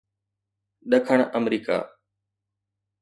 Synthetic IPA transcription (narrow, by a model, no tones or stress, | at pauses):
ɗəkʰəɳəmɾiːka̰ː